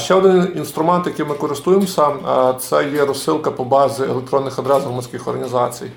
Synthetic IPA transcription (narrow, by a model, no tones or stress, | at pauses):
ʃt͡ʃɛɔd̪ɪninst̪ɾʊmɛnt̪jɐkɪjmɪkɔɾɪst̪ujemsʲɐt̪sɛjɛɾɔsɪlˠkɐpɔbɑzʲɪḛlˠek̚t̪ɾɔnːɪxɐd̪ɾɛsɦrɔmɐnʲsʲkʲɪxɔrɦɐnʲizɑt͡sʲḭj